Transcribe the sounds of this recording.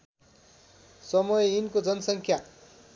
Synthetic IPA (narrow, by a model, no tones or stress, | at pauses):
sʌmʌjeinkod͡zʌnʌsʌŋkʰja